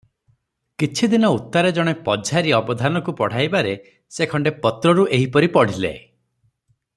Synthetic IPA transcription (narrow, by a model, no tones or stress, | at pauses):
kit͡ʃʰid̪inɔut̪ːaɾed͡ʒɔɽ̃epɔd͡ʒʱaɾiɔbɔd̪ʱanɔkupɔɽ̤ajbaɾe | sekʰɔɳɖepɔt̪ɾɔɾuʔeɦipɔɾipɔɽ̤ilḛ